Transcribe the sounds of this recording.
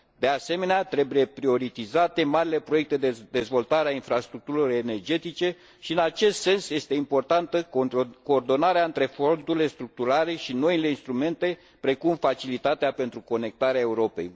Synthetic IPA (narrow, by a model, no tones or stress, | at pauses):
d̪e̞ase̞me̞neat̪ɾe̞buje̞pɾio̞ɾit̪izat̪e̞maɾile̞pɾoje̞k̚t̪e̞d̪ed̪e̞zvo̞lt̪aɾeainfɾast̪ɾuk̚t̪uɾiloene̞rd͡ʒe̞t̪it͡ʃe̞ | ʃiɨnat͡ʃe̞st̪se̞nsje̞st̪e̞impo̞rt̪ant̪əko̞ːrd̪o̞naɾeaɨnt̪ɾe̞fond̪uɾilest̪ɾuk̚t̪uɾale̞ʃino̞ile̞inst̪ɾume̞nt̪e̞ | pɾe̞kumfat͡ʃilit̪at̪eape̞nt̪ɾuko̞ne̞k̚t̪aɾeae̞uɾo̞pe̞̰j